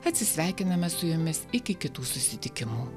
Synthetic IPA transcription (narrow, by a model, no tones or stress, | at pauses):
ɐt̪ʲsʲɪsʲʋʲæˑɪkʲɪnɐmɐsʊjʊmʲɪsɪkʲɪkʲɪt̪uːsʊsʲɪt̪ʲɪkʲɪmuː